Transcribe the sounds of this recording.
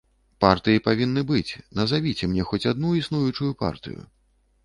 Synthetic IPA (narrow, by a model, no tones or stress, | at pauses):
part̪ɨjipavʲinːɨbɨt͡sʲnɐzavʲit͡sʲɛmnʲɛxɔt͡sʲad̪nuisnujut͡ʂujupa̰rt̪ɨ̰jṵ